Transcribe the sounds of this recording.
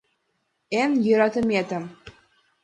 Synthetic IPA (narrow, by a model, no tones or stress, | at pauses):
enjø̆ɾɑt̪ə̆mʲet̪ə̆m